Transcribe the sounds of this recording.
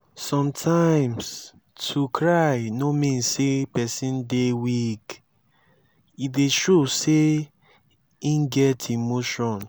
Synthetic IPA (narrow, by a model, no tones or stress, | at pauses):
sɔ̃mtʰãɪ̃ms | tʰukʰɹajnomĩnsepɛsĩndewik | ideʃose | ĩnɡɛtʰimoʃɔ̃n